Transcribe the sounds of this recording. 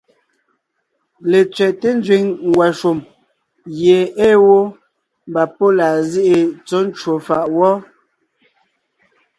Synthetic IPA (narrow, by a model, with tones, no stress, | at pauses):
le˨t͡sɥɛ˨te˦n˦d͡ʒɥi˨˦ŋŋwa˨ʃo˨m | ɣje˨eː˦wo˦ | m˨ba˨po˦laː˨zi˦ʔe˨t͡sɔ˦n˦t͡ʃwo˨fa˨ʔwɔ˦